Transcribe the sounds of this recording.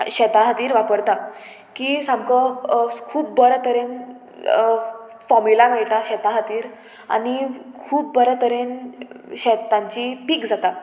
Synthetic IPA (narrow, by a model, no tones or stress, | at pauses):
ɕɛt̪ãɦat̪iːɾʋapəɾt̪a | kisamkəkʰuːpːəɾt̪ʰəɾen | fɔmilameɭʈ̪aɕɛt̪ãɦət̪iːɾ | a̰ñikʰuːp̚bəɾət̪əɾenɕɛt̪ːãɲt͡ɕipiːkd͡zat̪a